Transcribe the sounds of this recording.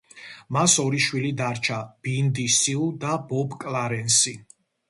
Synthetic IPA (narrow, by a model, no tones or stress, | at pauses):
masɔɾiʃwilid̪aɾt͡ʃʰab̥ind̪isiud̪abɔbkʼlaɾɛnsi